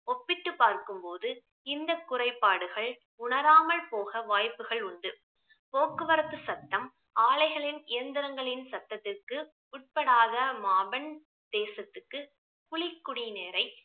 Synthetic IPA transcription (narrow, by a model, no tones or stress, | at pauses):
ɔpːɪʈːɯpːaːɾkɯmpoːðɯ | ɪnd̪ɐkːʊrɐɪpːaːɽɯɣɐɭ | ʊɳɐɾaːmɐɭpoːɣɐʋaːjpːɯɣɐɭʊɳɖɯ | poːkːɯʋɐɾɐt̪ːɯsɐt̪ːɐm | aːɭɐɪɣɐɭɪnɪjɐnd̪ɪɾɐŋɡɐɭɪnsɐt̪ːɐt̪ːɪrkɯ | ʊʈ̚pɐɽaːðɐmaːbɐn | t̪eːsɐt̪ːɯkːɯ | pʊɭɪkːʊɽineːɾɐɪ